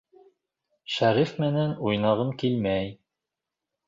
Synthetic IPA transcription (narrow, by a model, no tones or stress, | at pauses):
ʃæɾifmɘ̆nænujnɑʁɤmkilmæj